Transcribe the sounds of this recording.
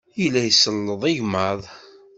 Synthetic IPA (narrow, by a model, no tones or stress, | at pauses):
jəlːæjsəlːəðˤɪʝməðˤ